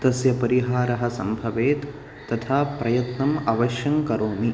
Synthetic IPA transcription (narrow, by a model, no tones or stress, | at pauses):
t̪ɐsjɐpɐɾiɦaːɾɐɦɐ̆sɐmbʱɐʋeːt̪ː | ɐt̪ʰaːpɾɐjɐt̪nɐmɐʋɐʃjɐŋkɐɾoːmi